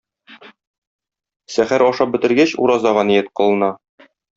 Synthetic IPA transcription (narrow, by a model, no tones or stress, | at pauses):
sæχæɾɒʃɑp̚bɘ̆t̪ɘ̆ɾɡæɕṵɾɑzɑʁɑnijɘt̪̚qŏlˠɤ̆nɑ